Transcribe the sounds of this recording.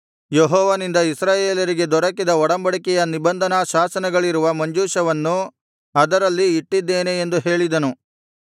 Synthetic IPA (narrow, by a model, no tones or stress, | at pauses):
jeɦɔːʋɐnind̪ɐisɾaːjeːlɐɾiɡe̞d̪ɔɾɐkid̪ɐɔɽɐmbɐɽikɛjɐnibɐnd̪ʱɐnaʃaːsɐnɐɡɐɭiɾuʋɐmɐɲd͡ʒuːʃɐʋɐnːu | ɐd̪ɐɾɐlːiːʈːid̪ːe̞ːneːnd̪uɦe̞ːɭid̪ɐnu